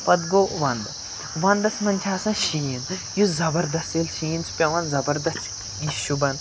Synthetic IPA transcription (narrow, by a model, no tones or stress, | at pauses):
pɐd̪ɡoːʋɐnd̪ | ʋɐnd̪ɐsmɐnʲt̪ʲʰaːsɐ̃nʃiːnjuzɐbɐɾd̪ɐst̪ilʃiːnsʰpʲɐʋɐ̃nzɐbɐɾd̪ɐst | iʃubɐn